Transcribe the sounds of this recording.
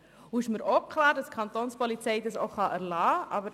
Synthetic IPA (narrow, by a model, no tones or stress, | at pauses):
uɪʃməɾokʰlɑːɾdɑstkʰɑnt̪oːnspɔlit͡sɛɪdɑso̰χɑʔæɾlɑːʔɑ̰bəɾ